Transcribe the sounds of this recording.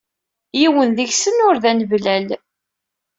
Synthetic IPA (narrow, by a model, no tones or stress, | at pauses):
jiwənðəçsənʊɾðænəvlæl